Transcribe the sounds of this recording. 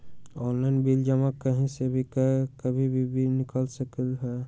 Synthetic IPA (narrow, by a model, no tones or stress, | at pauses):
ɔːnlaɪnbild͡ʒəmakəɦĩsebʱikəkəbʱibʱibʱinɪkəlsəkəlɦɛ